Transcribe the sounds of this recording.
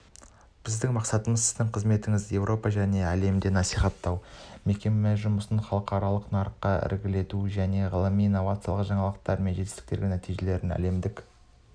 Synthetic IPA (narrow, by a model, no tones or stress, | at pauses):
b̥ɪzd̪ɪŋmɑqsɑt̪əməzsɪzd̪ɪŋqʰəzme̞t̪ɪŋɪzje̞wɾʔo̞pɑʒæne̞æle̞md̪e̞nɑsijχɑt̪ːɑwme̞kʲe̞mmeʒʊməsənχɑlˠəqɑɾɑlˠəqnɑɾəqːɑɪ̰ɾɡʲɪle̞t̪uʒæne̞ʁəlˠəmijːnːovat̪sjɑlˠəqʒɑɴɑlˠəq̚t̪ɑɾme̞nʒet̪ɪst̪ɪ̥kt̪e̞ɾɡʲenæt̪ijʒe̞le̞ɾɪnæ̰le̞md̪ɪk